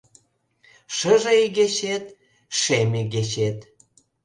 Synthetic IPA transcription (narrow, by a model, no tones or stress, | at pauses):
ʃəʒeiɣeɕet̪̚ | ʃemeɣeɕet̪